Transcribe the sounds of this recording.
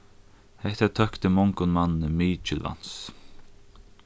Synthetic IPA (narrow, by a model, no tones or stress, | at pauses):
hɛht̪at̪ʰœkt̪əmɔŋkʊnmanːəmiːt͡ʃɪlva̰n̥s